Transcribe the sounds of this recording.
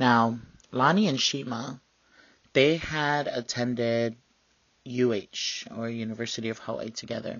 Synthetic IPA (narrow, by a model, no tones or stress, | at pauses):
naʊ | lɑniɨ̃nʃimə | ðeɪəɾɨtʰɛ̃ndɪd̚ | jʉeɪt͡ʃə˞jʉnɨvɜ˞sɨɾiʌv̥hɑlˠḭtʰɨɡɛðə̰˞